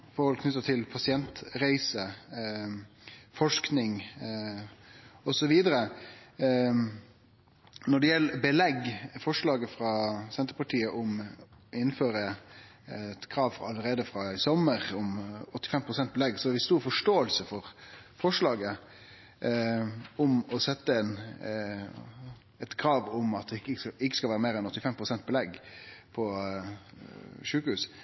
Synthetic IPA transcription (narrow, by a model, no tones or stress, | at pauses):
fɔɾhɔlkʰnʏt̪ːət̪ʰɪlpʰɑsɪɛnt̪ɾæɪsə | fɔʂknɪŋ | ɔsɔʋiːd̪əɾə | nɔɖɛjɛlːbəlɛɡfɔʂlɑːɡəfɾɑsɛnt̪əɾpɑʈʰiːəʔɔmɪnːføːɾə | t̪kʰɾɑːʋfʁɑlːəɾeːd̪əfɾɑɪsɔməʁɔmɔt̪ːɪ̥fɛmpʰʁʊsɛnt̪̚bɛlɛɡsɔæɾʋɪst̪uːɾfɔʂʈoːəlsəfɔʁfɔʂɭɑːɡə | ɔmɔsɛt̪ːəɛn | ɛt̪kʰɾɑːʋʊmɑt̪ɪkɪkːəskɑlʋæːɾəmeːɾɛnɔt̪ːɪfɛmpʰɾʊsɛnt̪̚bəlɛɡpʰɔ | ʂʉːkhʉːs